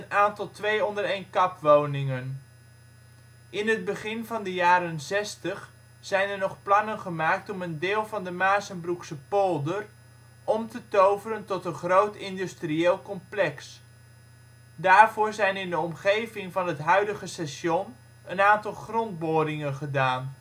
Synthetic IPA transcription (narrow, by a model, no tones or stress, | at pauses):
ənaːntɑlˠtʋejɔndərejnkɑpʋownɪŋən | ʔɪnɦəd̚bəχɪnvɑndəjaːɾənzɛstəχ | z̥ɛjnəɹnɔχplɑnənχəmaːk̚tɔməndɪːlˠvɑndəmaːsənbruksəpolˠdər | ʔɔmtətowvərəntɔtənχrowtɪndystrieːlˠkɔmplɛks | daːɹvoːɹzɛjnɪndəɔmχejvɪŋvɑnɦətɦœɥdəχəsɛsɔn | ənaːntɑlˠχrɔnd̚boːdɪŋənχədaːn